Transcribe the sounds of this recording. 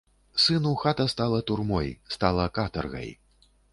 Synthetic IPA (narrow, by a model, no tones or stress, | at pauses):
sɨnuxat̪ɐst̪alˠɐt̪urmɔjst̪alˠɐkat̪ɐrɣɐ̰j